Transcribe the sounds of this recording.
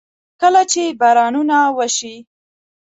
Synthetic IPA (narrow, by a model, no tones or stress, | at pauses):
kəlat͡ʃebaɾɑnunawəʃi